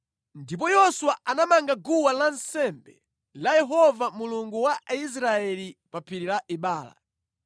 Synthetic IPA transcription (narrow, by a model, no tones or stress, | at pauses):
ndip̬ɔjɔswaanamaŋɡaɡuwalansɛmbɛ | lajɛɦɔvamuluŋɡuwais̬ɾaɛlipapʰiɾilaʔiɓaːla̰